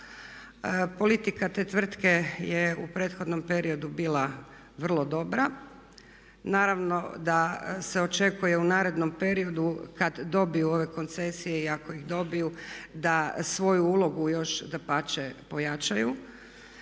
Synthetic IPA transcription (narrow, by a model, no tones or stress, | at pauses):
po̞lit̪ikat̪et̪ʋr̩t̪ke̞jeupɾe̞ːt̪xo̞d̪no̞mpe̞ɾio̞d̪ubiːlˠa | ʋr̩lˠo̞d̪o̞bɾa | naːɾaʋno̞d̪ase̞o̞t͡ʃe̞kuje̞unaːɾe̞d̪no̞mpe̞ɾio̞d̪ukad̪ːo̞bijuo̞ʋe̞ko̞nt̪se̞sije̞iako̞iɣd̪o̞bijud̪asʋo̞juuːlˠo̞ɡujo̞ʃd̪apat͡ʃepo̞jat͡ʃaju